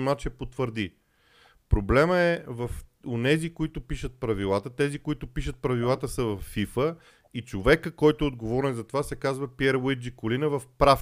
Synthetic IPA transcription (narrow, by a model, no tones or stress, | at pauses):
mat͡ʃɛpot̪vəɾd̪i | pɾoblɛməɛvɐfonɛzikoit̪ʊpiʃət̪̚pɾɐvilˠat̪ət̪ɛzikoit̪ʊpiʃət̪̚pɾɐvilˠat̪əsəvɐfːifə | it͡ʃovɛkəkɔjt̪ʊɛod̪ɡovɔɾnɛzɐt̪ovasɛkazvəpjɛɾwid͡ʒikolinəvɐfpɾaf